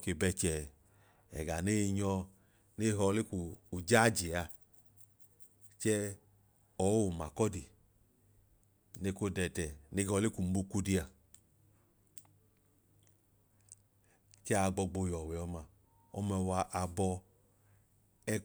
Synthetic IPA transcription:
ke˧˨bɛ˧t͡ʃɛ˨ | ɛ̰˨ɡa˨ne˦˧ɲɔ˧ | ne˦ɦɔ˧le˦kuː˨d͡ʒa˦˨d͡ʒi˨a˧ | t͡ʃɛ˦ | ɔ˨˦o˦˨ma˨kɔ˦di˨ | ne˧˦ko˦dɛ˧tɛ˨ne˦hɔ˧˦le˦ku˨m̩˦bu˧ku˦di˧a˨ | t͡ʃɛ˦a˧˨ɡ͡bɔ˧ɡ͡bo˧jɔ˨wɛ˨ɔ˧ma˧˨ | ɔ̰˧mɛ˧wa˧ʔa˧bɔ˧ | ɛ˦

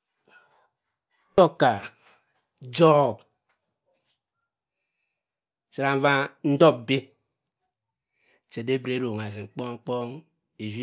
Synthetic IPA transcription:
ɔ˦ka˨ | d͡ʒɔ˦b | si˨ɾa˨m̩˦va˦n̩˦dɔ˦˨b̚bi˦ | t͡ʃe˨de˦bɾe˨˦ɾo˨ŋa˨zi˨ŋ͡m̩˨k͡pɔ˦ŋ͡m̩˦k͡pɔ˦ŋ | e˨zi˦

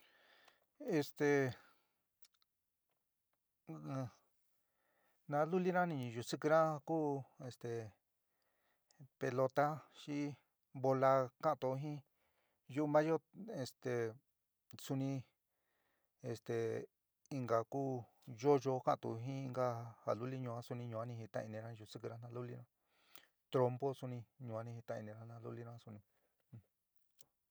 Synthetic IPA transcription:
e˧st̪e˨˧ | nã˧˦lu˦li˦nã˦nĩ˧ɲĩ˧˨ju˨˧sɨ˧kɨ˧ɾã˦kuː˦e˧st̪e˨ | pe˧lo˧t̪a˦ʃi˦ | βo˧la˧ka˦˨t̪o˧ɦĩ˦ | ju˦˧mã˦jo˦e˧st̪e˨ | su˧nĩ˧ | e˧st̪e˨ | i˧ŋɡa˨kuː˦ | ʒo˦ʒo˧˦kã̰˦ʔt̪ṵ˨ɦĩ˦i˧ŋɡa˦ha˨lu˦li˦ɲũ˧ã˦su˧nĩ˧ɲũ˧a˦nĩ˧ɦi˧t̪ã̰˧i˧nĩ˧ɾa˦˧u˧sɨ˦kɨ˧ɾa˧˦n̥ã˧lu˦li˦˧ɾã˦ | t̪ɾo˧mbo˦su˧nĩ˧ɲũ˧˨a˦nĩ˧hi˧t̪ã˧ḭ˧nĩ˧ɾa˦n̥ã˧lṵ˦li˦ɾã˦su˧nĩ˧

